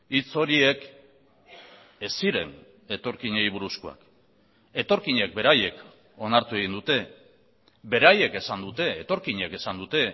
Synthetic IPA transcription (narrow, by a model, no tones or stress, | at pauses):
it͡so̞ɾie̞k | e̞siɾe̞̰n | e̞t̪o̞ɾkiɲeiβ̞uɾuskoa̰k | e̞t̪o̞ɾkiɲe̞k̚be̞ɾaje̞k | o̞naɾt̪ue̞ɣ̞ind̪ut̪e̞ | be̞ɾaje̞ke̞sand̪ut̪e̞ːt̪o̞ɾkiɲe̞ke̞sand̪ut̪e̞